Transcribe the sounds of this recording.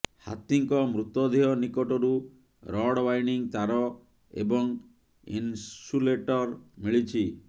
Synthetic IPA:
ha̰t̪iŋkɔmɾut̪ɔd̪ʱiɦɔnikɔʈɔɾu | ɾɔɽwajniŋt̪aɾɔ | ḛbɔŋ | ḭnsuleʈɔɾmiɭit͡ʃʰi

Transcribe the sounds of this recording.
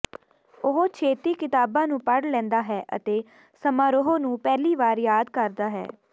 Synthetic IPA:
ʊɦoːt͡ʃʰeːt̪iːkɪt̪aːbãːnũːpəɽlɛ̃ːnd̪aːɦɛːʔə̰t̪eː | səmaːɾoɦoːnũːpɛːliːʋaːɾjaːd̪kəɾd̪aːɦɛ̰ː

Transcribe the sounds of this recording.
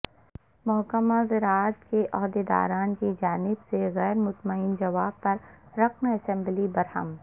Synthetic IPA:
mɔɦkəmazɪɾaːət̪keʔɔːɦd̪ed̪a̰ːɾaːnkid͡ʒaːnɪbseɣɛːɾmʊt̪məɪnd͡ʒɐʋaːbpɐɾːɐqnɐsɛ̃mblibɐɾhə̰m

